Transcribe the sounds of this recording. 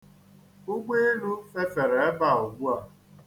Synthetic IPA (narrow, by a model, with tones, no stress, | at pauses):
ʊ˦ɡ͡be˦e˦nu˦fe˦fe˨ɾe˨e˦ba˦˨ʊ˨ɡʷu˦a˦˨